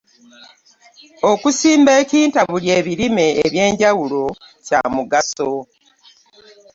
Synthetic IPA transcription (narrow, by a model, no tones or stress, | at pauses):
o̞kusiːmbe̞ːciːntaβulje̞ːβiɾime̞ːβje̞ːɲɟawulo̞ | ca̰muɡaso̞